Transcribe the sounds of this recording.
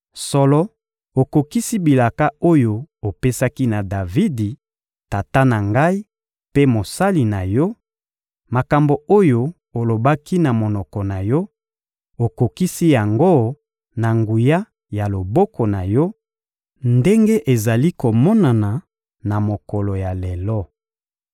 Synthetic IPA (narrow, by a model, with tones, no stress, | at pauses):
sɔ˨lɔ˦ | o˨ko˨ki˦si˦bi˨la˨ka˦o˦jo˨o˨pe˦sa˦ki˦na˨da˨vi˦di˨ | ta˨ta˦na˨ŋɡa˦i˦ | pe˦mo˨sa˦li˨na˨jɔ˦ | ma˨ka˨mbo˨o˦jo˦ | o˨lo˨ba˦ki˦na˨mo˨nɔ˨kɔ˨na˨jɔ˦ | o˨ko˨ki˦si˦ja˨ŋɡo˦ | na˨ŋɡu˨ja˦ | ja˨lo˨bɔ˦kɔ˨na˨jɔ˦ | nde˦ŋɡe˦ʔe˨za˨li˦ko˨mɔ˦na˨na˨ | na˨mo˨kɔ˨lo˨ja˨le˨lɔ˦